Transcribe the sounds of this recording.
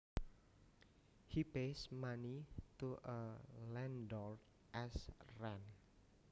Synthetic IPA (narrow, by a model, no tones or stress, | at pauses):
hipesmanit̪uʔəlɛndɔɾd | ʔɛsrɛn